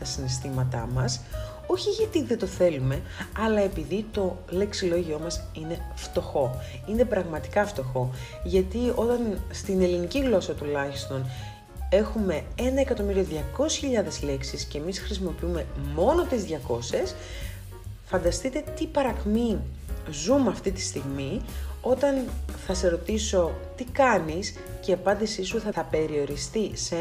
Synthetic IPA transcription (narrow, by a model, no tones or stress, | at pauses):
t̪ɐsinest̪imɐt̪ɐ̰mɐs | o̞çiʝɐt̪iðe̞t̪o̞θe̞lume̞ɐlɐe̞piðit̪o̞le̞ksilo̞ʝio̞mɐsine̞ft̪o̞xo̞ | ine̞pɾɐɣmɐt̪i̥kɐft̪o̞xo̞ | ʝɐt̪io̞t̪ɐnst̪ine̞liniciɣlo̞sɐt̪ulɐçist̪o̞n | e̞xume̞ | e̞nɐe̞kɐt̪o̞miɾioðʝɐko̞si̥çiʎɐðe̞zle̞ksisce̞misxɾisimo̞piume̞mo̞no̞t̪izðʝɐko̞se̞s | fɐnd̪ɐst̪it̪e̞t̪ipɐɾɐkmi | zumɐft̪it̪i̥st̪iɣmio̞t̪ɐnθɐse̞ɾo̞t̪iso̞t̪ikɐnis | ceɐpɐnd̪isisuθɐθɐpe̞ɾio̞ɾist̪ise